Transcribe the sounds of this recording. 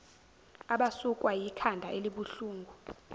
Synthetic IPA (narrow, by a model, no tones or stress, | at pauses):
aɓasukʼwajikʰandʱaʔeliɓuɬuːŋɡʱu